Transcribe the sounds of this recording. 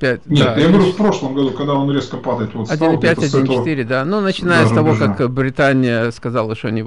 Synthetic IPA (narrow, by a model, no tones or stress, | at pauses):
pʲætʲnʲetajaɡʲɪɾufpɾo̞ʂlˠəmɡɐd̪ukɐɡd̪aonɾʲeskəpad̪əɪt̪vot̪ɐdʲinɨpʲætʲɐdʲint͡ʃɪt̪iɾʲɪd̪anunət͡ɕɪnajəst̪ɐvo̞kakbɾʲɪt̪anʲɪjəskɐzalˠəʂt̪onʲɪ